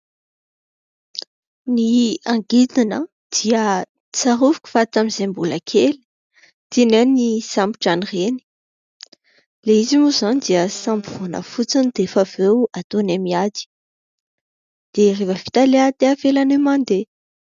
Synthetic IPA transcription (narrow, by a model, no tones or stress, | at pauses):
niaŋɡit̪inə | d̪̥iə | t͡saruvu̥kʲu̥fat͡s̪amizembuləkʰeli̥ | t̪inenisampi̥ʈ͡ʂanireni̥ | leizimuzanid̪iəsambvonə̰fut͡sinid̪̥efavewat̪onamiad̪i̥ | d̪̥erevəfi̥t̪aleat̪eafelanemand̪e